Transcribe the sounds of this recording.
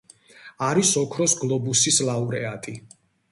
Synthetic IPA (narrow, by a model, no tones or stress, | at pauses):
aɾisɔkʰɾɔsɡlˠɔbusislˠauɾɛat̪ʼi